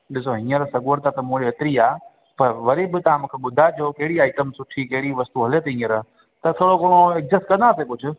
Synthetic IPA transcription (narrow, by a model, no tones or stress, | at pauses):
ɗɪsoɦĩːəɾsɐɡuɾt̪at̪ɐmũɽiɐt̪ɪɾiaː | pɐɾʋɐɾibɪt̪ɐʋ̤ãmũːkʰeɓʊd̪ʱad͡ʑoːkɐɦɪɽiaːɪʈəmsʊʈʰikɐɦɪɽiʋɐst̪uɦɐlet̪eɦĩːəɾ | t̪ɐt̪ʰoːɽokoːɽ̃oɛk̚zɪsʈkɐ̃nd̪aːt̪ʰekʊd͡ʑʱʊ̆